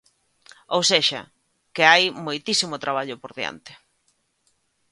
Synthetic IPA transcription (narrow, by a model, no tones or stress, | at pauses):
owseʃa̰ | kɪajmojt̪isimot̪ɾaβ̞aʎopoɾðja̰nt̪ɪ̥